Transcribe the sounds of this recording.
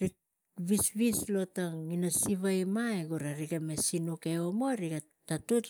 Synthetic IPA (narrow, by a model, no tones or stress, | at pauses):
ɾi | βisβislo̞taŋinosiβajmaeɡuɾaɾiɡame̞sinuke̞omoɾiɡa | tatut